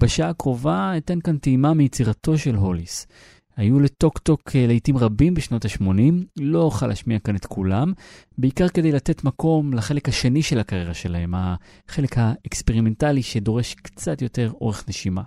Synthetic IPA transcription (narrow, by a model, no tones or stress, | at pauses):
b̥eʃaakʁo̞vaetenkanteimamijet͡siʁato̞ʃe̞lɦolis | hajule̞to̞kto̞kʰelejtimʁabimbeʃno̞taʃmo̞nimlo̞oχala̰ʃmiakanet̪kʰulam | beikaʁke̞d̪e̞jlate̞tmako̞mlaχe̞le̞khaʃe̞niʃe̞lakaʁjeʁaʃe̞lahe̞mha | χe̞le̞khaekspeʁime̞ntaliʃe̞do̞ʁe̞ʃkt͡sat̪jo̞te̞ʁo̞̰ʁe̞χne̞ʃima̰